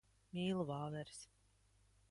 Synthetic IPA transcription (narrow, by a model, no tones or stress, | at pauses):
mʲiːlˠuvɑːvɛɾs